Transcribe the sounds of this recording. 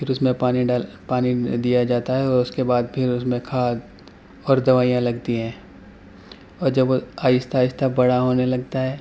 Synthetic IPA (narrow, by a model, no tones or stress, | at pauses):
pʰɪɾʊsmẽpaːnialpaːnid̪ijad͡ʒaːt̪aɦɛɔːɾʊskebaːd̪̚pʰɪɾʊsmẽkʰaːd̪ | ɔːɾd̪ɐʋaːijãlɐɡt̪iɦɛ̃ː | ɔːɾd͡ʒɐbʋoaːɪst̪ʰaːɪst̪ʰabɐɽaɦoːnelɐɡ̚t̪aɦɛː